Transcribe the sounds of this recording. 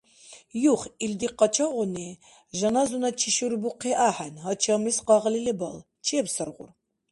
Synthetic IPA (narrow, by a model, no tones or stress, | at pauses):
juχild̪iqɑt͡ʃʰaʁɔni | ʒanazunat͡ʃʰiʃuɾbuqʰiʔaħɛnɦat͡ʃʰamisqɑʁlilɛbal | t͡ʃʰiɛbsərʁṵr